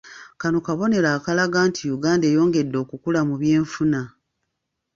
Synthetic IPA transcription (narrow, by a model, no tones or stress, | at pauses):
kano̞kaβo̞ne̞ɾaːkalaɡaːntijuɡaːnde̞ːjo̞ːŋɡe̞dːo̞ːkukulamuβje̞ːɱfuna